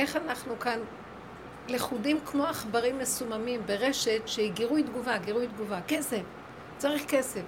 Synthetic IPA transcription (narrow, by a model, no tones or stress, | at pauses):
ʔe̞χanaχnukan | leχudimkmo̞aχbaʁimːesumamimbe̞ʁe̞ʃe̞tʃeiɡiʁujd̪ɡuvaɡiʁujd̪ɡuvake̞sef | t͡saʁiχke̞sef